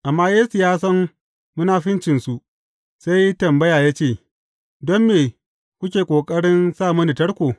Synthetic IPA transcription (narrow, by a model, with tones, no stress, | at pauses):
ʔa˨mːaː˦jeː˦su˨jaː˦s̬ɐ˦m | mʊ˦naː˦ɸɪ˦nt͡ʃɪ˨nsu˨ʔ | sa˦jtɐ˨mbɐ˦jaː˨ja˦t͡ʃeː˦˨ | dɔ˦mːeː˨ | kʷʊ˦kʲeː˨kʷʼoː˨kʼɐ˦ɽɪ˦nsaː˦˨mʊ˦ni˨tɐ˦ɽkʷoː˨